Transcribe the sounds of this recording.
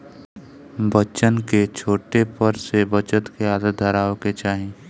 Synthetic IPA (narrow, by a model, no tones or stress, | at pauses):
bət͡ʃənket͡ʃʰoːʈepəɾsebət͡ʃət̪keaːd̪ət̪̚d̪ʱəɾaːõket͡ʃaːɦẽː